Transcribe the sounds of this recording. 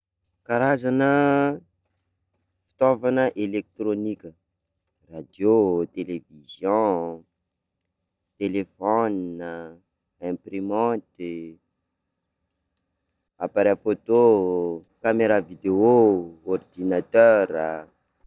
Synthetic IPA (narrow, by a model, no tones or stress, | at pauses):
kaɾazanə | fi̥t̪ɔvanəʔelek̚t̪ɾonikʲə | rad̪jot̪elevizjɔ̃ | t̪elefɔnə | ɛ̃pɾimɔ̃t̪i | apaɾafot̪o | kameɾavid̪eoord̪inat̪øɾə